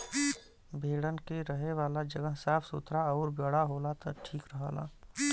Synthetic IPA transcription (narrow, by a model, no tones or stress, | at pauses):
bʱeːɽənkeɾəɦeʋaːlad͡ʒəɡəɦsaːpʰsʊt̪ɾaɔːɾbəɽaɦoːlat̪ɐʈʰiːkɾəɦə̰ːla̰ː